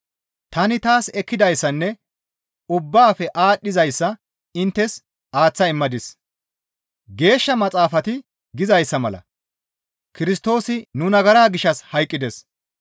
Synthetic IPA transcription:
t̪ɐnɪt̪aːsɛkːɪd̪ɐjsːɐnːɛ | ʊbːaːfɛʔaːɗːɪzɐjsːɐ | ɪnt̪ːɛs | aːt͡sːɐɪmːɐd̪ɪs | ɡe̞ːʃːɐmɐt͡sʼaːfɐt̪ɪ | ɡɪzɐjsːɐmɐlɐ̰ | kɪɾɪst̪o̞ːsɪnʊnɐɡɐɾaːɡɪʃɐshɐjkʼːɪd̪ɛs

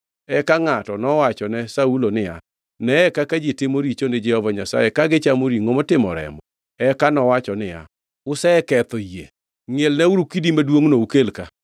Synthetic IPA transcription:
ɛkaŋatɔnɔwat͡ʃɔnɛsaulonɪja̰ | nɛɛkakad͡ʒitɪmoɾit͡ʃonɪd͡ʒɛhɔvaɲasa̰jɛkaɡɪt͡ʃamoɾiŋomotɪmɔɾɛ̰mbɔ̰ | ɛkanɔwat͡ʃɔnɪja̰ | ʊsɛkɛt̪ɔjḛ | ŋelnɛuɾukidimadwoŋnoukelka

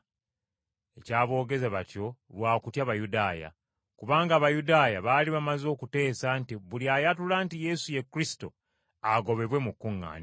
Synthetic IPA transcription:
e̞caːβo̞ːɡe̞zaβatjo̞βwaːkutjaβajudaːja̰ | kuβaːŋɡaːβajudaːjaβaliβamazo̞ːkute̞ːsantiβuliajatulantije̞suje̞kːɾisi̥to̞̰ | aɡo̞βe̞βwe̞mukːuŋːa̰ːɲ

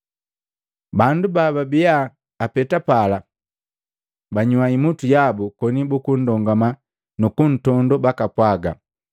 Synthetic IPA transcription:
bandubababijaː | pɛtapala | baɲuwaimutujabukɔnibukun̩dɔŋɡama | nukun̩tɔndɔbakapwaɡa̰

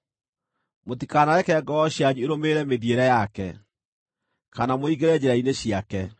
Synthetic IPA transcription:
motikanaɾɛkɛɡɔɔɕjaɲueɾomeɾɛmeðjeɾɛjakɛ | kanamoiɡeɾɛd͡ʑɛɾaineɕiakɛ

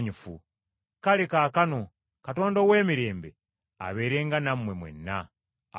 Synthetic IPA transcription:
ɲifu | kalekaːkano̞ | kato̞ːndowe̞ːmiɾe̞ːmbe | a̰βe̞ːɾe̞ːŋɡanammːwe̞mwḛnːa̰

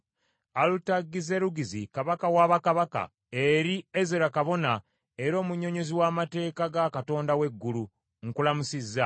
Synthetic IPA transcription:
alutaɡːize̞ɾuɡizikaβakawaːβakaβaka̰ | e̞ɾiezeɾakaβo̞na | e̞ɾo̞ːmuɲːo̞ɲo̞ziwaːmate̞ːkaɡakato̞ːndawe̞ɡːulu | ŋkulamusizːa

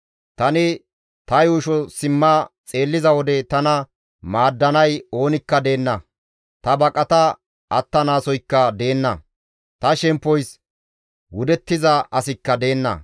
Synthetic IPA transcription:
t̪ɐnɪ | t̪ɐjuːʃɔsɪmːɐt͡sʼe̞ːlːɪzɐwɔd̪ɛt̪ɐnɐ | maːd̪ːɐnɐjo̞ːnɪkːɐd̪e̞ːnːɐ | t̪ɐbɐkʼɐt̪ɐ | ɐt̪ːɐnaːsɔjkːɐd̪e̞ːnːɐ̰ | t̪ɐʃɛmpːɔjs | wʊd̪ɛt̪ːɪzɐʔɐsɪkːɐd̪e̞ːnːɐ̰

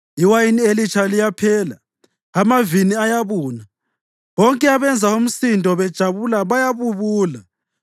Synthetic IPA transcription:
iwajinielit͡ʃʰalijapʰɛːla | amaviniajaβuːna | βɔŋkʼɛaβɛnd͡zʱaum̩sindʱɔβɛd̥ʒ̥ʱaβulaβajaβuβuːla

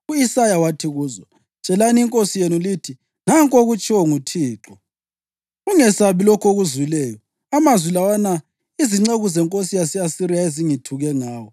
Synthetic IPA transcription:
uisajawatʰiɣuːzɔ | t͡ʃʼɛlaniiŋkʼosijenulitʰi | ŋaŋkʼoɣut͡ʃʼiwɔŋutʰiːǁɔ | uŋɛsaβilokʰoɣuzwilɛːjɔ | amazwilawana | iziŋ͡ǀeɣuzɛŋkʼosijasijasiɾijaeziŋitʰuɣɛŋaːwɔ

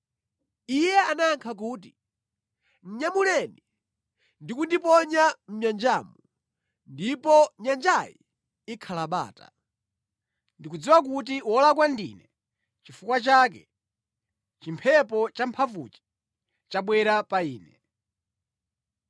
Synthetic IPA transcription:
ijɛanaːŋkʰak̬uːti | n̩ɲamulɛni | ndikundipɔɲam̩ɲand͡ʒaːmu | ndipɔɲand͡ʒajḭ | ikʰalaɓa̰ːta̰ | ndikud͡ziwak̬ut̬iwɔlak̬wandḭnɛ | t͡ʃifukwat͡ʃaːk̬ɛ | t͡ʃimpʰɛpɔt͡ʃampʰavṵt͡ʃi̥ | t͡ʃaɓwɛɾapaiːnɛ

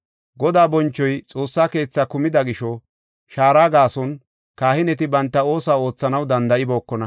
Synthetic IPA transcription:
ɡɔd̪aːbɔnt͡ʃːɔjt͡sʼo̞ːsːaːke̞ːt͡sːakʊmɪd̪ɐɡɪʃɔ | ʃaːɾaːɡaːsɔn | kaːhɪnɛt̪ɪbɐnt̪ːɐo̞ːsaːo̞ːt͡sːɐnɐwd̪ɐnd̪ɐʔɪbo̞ːkːɔnɐ

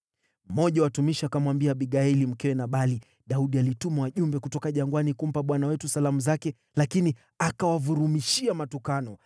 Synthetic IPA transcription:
m̩mɔʄawatumiʃiakamwambiaɓiɠaɛlim̩kɛwɛnaɓali | ɗauɗialitumawaʄumbɛkutɔkaʄaŋɡwanikum̩paɓwanawɛtusalamuzakɛ | lakini | akawavuɾumiʃiamatukanɔ

